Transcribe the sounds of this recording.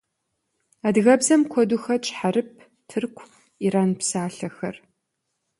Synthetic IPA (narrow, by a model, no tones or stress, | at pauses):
aːdɣɐbzɐmkʷʰɔduxɐt͡ʃʼħaɾɨp̚ʰ | tʰɨrkʷʰ | iɾaːnpsaːɬɐxɐ̰r